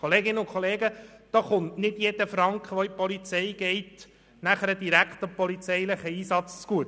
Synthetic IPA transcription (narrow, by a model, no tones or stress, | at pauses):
χoleːɡɪnːəʊnkʰχoleːɡəd̪̥ɑːχʊntnɪd̥jed̥̪əfɾɑŋkχʋɔipɔlit͡sɛɪɡ̥ɛɪt | næχəɾəd̪iɾækχt̪ɑpɔlit͡sɛjləχəiːsɑt͡st͡sɡ̥uət